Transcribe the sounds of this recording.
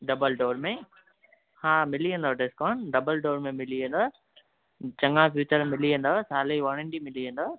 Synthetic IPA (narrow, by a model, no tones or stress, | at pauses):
ɖɐbəlɖoːɾmẽ | haːmɪliə̃nd̪oɖɪskaːɳɖɐbəlɖoːɾmẽmɪliə̃nd̪oː | t͡ɕɐ̃ŋãfjuːt͡ɕəɾmɪliə̃nd̪oɦsaːleʋɐɽ̃ə̃ɳɖimɪliə̃nd̪oː